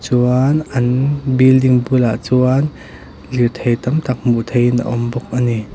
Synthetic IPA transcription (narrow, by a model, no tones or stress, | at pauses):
t͡suanʔɐnbildiŋbulaʔt͡suan | lit̪ʰejt̪ɐmt̪ɐk̚muʔt̪ʰejinʔa̰ʔɔmbɔk̚ʔani